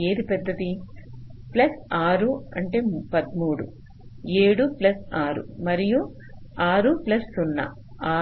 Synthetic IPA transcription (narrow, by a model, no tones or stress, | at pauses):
eːd̪ipɛd̪ːɐt̪i | plɐsaːɾuɐɳʈe̞ːpɐd̪muːɽu | eːɽuplɐsaːɾṵmɐɾiju | aːɾuplɐsunːɐ̰ | aː